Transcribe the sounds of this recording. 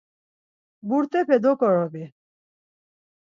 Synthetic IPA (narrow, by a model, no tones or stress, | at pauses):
buɾt̪ʼɛpʰɛd̪ɔkʼɔɾɔbi